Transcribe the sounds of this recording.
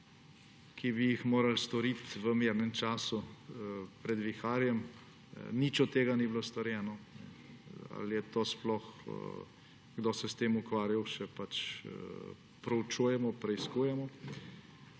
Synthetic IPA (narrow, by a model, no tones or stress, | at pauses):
kʰibijixmoːɾalst̪ɔɾit̪ʋəmeːɾnɛmt͡ʃaːsu | pɾɛd̪ʋixaːɾjɛm | nit͡ʃɔt̪ːeːɡaniblost̪ɔɾjɛːnɔnɛ̰a̰ljɛt̪oːsplɔx | ɡd̪oːsɛst̪eːmukʋaːɾjawʃɛpat͡ʃ | pɾɔwt͡ʃuːjɛmɔpɾɛiskuːjɛmɔ